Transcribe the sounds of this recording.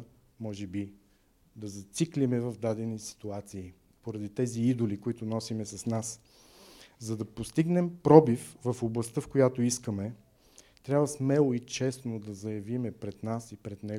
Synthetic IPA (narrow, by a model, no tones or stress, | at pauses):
mɔʒɛbi | d̪ɐzɐt̪siklimɛvɐvd̪ad̪ɛnisi̥t̪uat̪siː | poɾɐd̪it̪ɛziid̪olikoit̪ʊnɔsimɛsɐsnas | zɐd̪ɐpost̪iɡnɛmpɾɔbifvɐfoblˠɐst̪əfkojat̪oiskəmɛ | t̪ɾʲabvəsmɛlˠoit͡ʃɛsnod̪ɐzɐjɐvimɛpɾɛd̪nasipɾɛt̪nɛ